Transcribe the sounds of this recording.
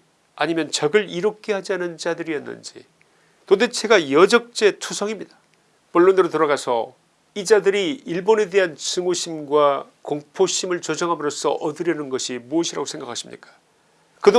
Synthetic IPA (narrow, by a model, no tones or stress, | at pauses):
a̰ɲimjʌnt͡ɕʌɡɯɾiɾʌkʰe̞had͡ʑianɯnt͡ɕadɯɾiʌnːɯ̰nd͡ʑḭ | tode̞t͡ɕʰe̞ɡajʌd͡ʑʌk̚t͡ɕ͈e̞tʰusʰʌŋimɲidḁ | poɭːondɯɾotoɾaɡasʰʌ̰ | id͡ʑadɯɾiːɭbone̞de̞ɦant͡ɕɯŋoɕʰimɡwakoŋpʰoɕʰimɯɭt͡ɕod͡ʑʌŋɦamɯɾos͈ʌ̰ʔʌdɯɾjʌnɯnɡʌɕʰimuʌɕʰiɾaɡosʰe̞ŋɡakʰaɕʰimɲḭk͈ḁ | kɯdo